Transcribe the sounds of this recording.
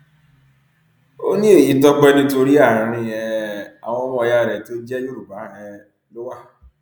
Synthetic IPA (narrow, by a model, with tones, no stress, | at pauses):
o̰˦nĩ˦e˦˨ji˨˦tɔ˦k͡pɛ˦nĩ˧to˧ɾi˦a˦˨ɾã˨˧ɾ̃ĩ˧ɛ˨a̰˨w̃ɔ̃˧ɔ˦mɔ̃˧˦ja˦˨ɾɛ˨to˦d͡ʒɛ˦jo˦ɾu˨ba˨˦ɛ˧ | lo˦wa˦˨